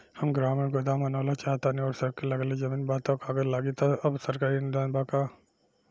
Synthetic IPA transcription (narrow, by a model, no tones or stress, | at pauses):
hɐmɡɾaːmeɡod̪aːmɐnoːlat͡ʃaːɦt̪anioːɾsɐɾkelɐɡled͡ʒɐmiːnbaːt̪akaːɡɐllːaːɡit̪ʰɐɐbsɐɾkaːɾind̪aːnbaːkaː